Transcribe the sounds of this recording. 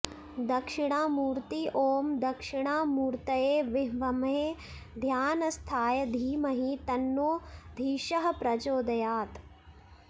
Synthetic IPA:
d̪ɐkʂɪɳ̃aːmuːɾt̪iʔoːmd̪ɐkʂɪɳaːmuːɾt̪ɐjeːʋɪɦʋɐmɦeː | d̪ʱjaːnɐst̪ʰaːjɐd̪ʱiːmɐɦit̪ɐnːoːd̪ʱiːʃɐɦɐ̆pɾɐd͡ʒoːd̪ɐjaːt̪

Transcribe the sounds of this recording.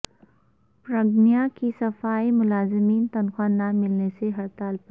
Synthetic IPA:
pɾɐɡnijakisɐfaːimʊlaːzɪmiːnt̪ɐnxwanamːɪlneseɦɐɾt̪aːlp

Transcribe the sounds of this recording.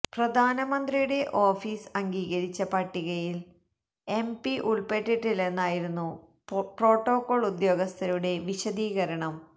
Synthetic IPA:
prɐd̪ʱaːnɐmɐnd̪rijuɽe̞ʔo̞ːfiːsɐŋɡiːɣɐɾit͡ɕːɐpɐʈːiɣɐjil | e̞mpiʔuɭpe̞ʈːiʈːile̞nːaːjiɾunːu | pro̞ːʈːo̞ːkːo̞ːɭud̪jo̞ːɡɐst̪ʰɐɾuɽe̞ʋiɕɐd̪iːɣɐɾɐɳɐm

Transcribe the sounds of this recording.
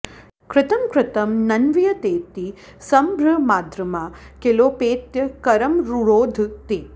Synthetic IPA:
kɾɪt̪ɐmkɾɪt̪ɐmnɐnʋijɐt̪eːt̪i | sɐmbʱɾɐmaːd̪ɾɐmakeloːpeːt̪jɐkɐɾɐmɾuɾoːd̪ʱt̪eː

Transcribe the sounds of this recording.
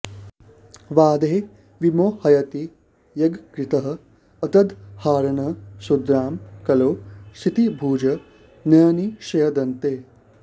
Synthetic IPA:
ʋaːd̪eː | ʋimoːhɐjɐt̪i | jɐɡkɾɪt̪ɐɦɐ̆ | ɐt̪ɐd̪haːɾɐɳɐsud̪ɾaːmkɐloːsit̪ibʱuːd͡ʒɐ | nɐjniʃɐjɐd̪ɐnt̪eː

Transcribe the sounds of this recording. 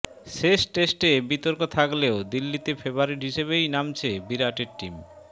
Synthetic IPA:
ʃeʃʈesʈebit̪oɾkot̪ʰakleod̪ilːit̪efeboaɾiɾɦiʃeβejnamt͡ɕʰebiɾaʈeɾʈim

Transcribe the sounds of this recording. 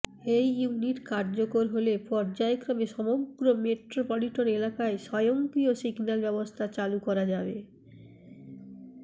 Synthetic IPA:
ejuniʈkaɾd͡ʑokoɾɦolepɔɾd͡ʑaekɾameʃɔmoɡɾomeʈɾopoliʈoɾelakaeʃɔjoŋkɾiosiɡnalbɛbost̪ʰat͡ɕalukɔɾad͡ʑabe

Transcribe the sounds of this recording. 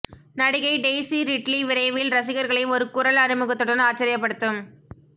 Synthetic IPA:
nɐɽɪɣɐɪɖeːsiɾɪʈliʋɪɾɐɪʋɪlɾɐsɪɣɐɾɣɐɭɪɪɔɾɯkʊɾɐlɐnɯmɯɣɐt̪ːɯɽɐnaːt͡ʃːɐɾɪjɐpːɐɽɯt̪ːɯm

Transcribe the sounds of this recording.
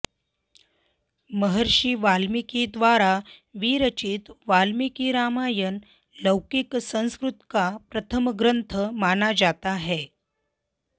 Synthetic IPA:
məɦəɾɕiːʋalmikid̪ʋaɾaʋiːɾət͡ɕiːt̪ʋalmikiɾamajən | ləwkiksə̃w̃skɾut̪kapɾət̪ʰəmɡɾənt̪ʰəmanad͡zat̪aɦɛ

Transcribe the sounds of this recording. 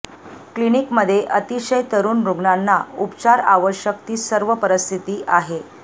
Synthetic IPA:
klinikməd̪ʱːjeʔət̪iɕəjt̪əɾuːnɾoɡɳanːaupt͡ɕaɾaʋəɕjək̚t̪iːsəɾʋəpəɾəst̪ʰit̪iːʔaɦe

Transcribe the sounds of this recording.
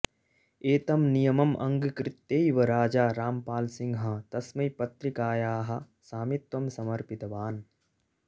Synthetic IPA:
eːt̪ɐmnijɐmɐmʔɐ̰̃ŋɡkɾɪt̪ːeːiʋɐɾaːd͡ʒaːɾaːmpaːlsɪ̃ŋɡɦɐt̪ɐsmɐjpɐt̪ɾikaːjaːɦɐ̆ | saːmit̪wɐmsɐmɐɾpɪt̪ɐʋaːn

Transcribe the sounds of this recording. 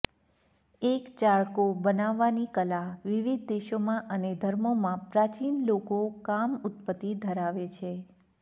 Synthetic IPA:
ekt͡ʃaɭkobənaʋːanikəlaʋiʋid̪̚ʱd̪eʃomãʔəned̪ʱəɾmomãpɾat͡ʃinlokokamʊt̪̚pət̪ːid̪ʱəɾaʋet͡ʃʰe

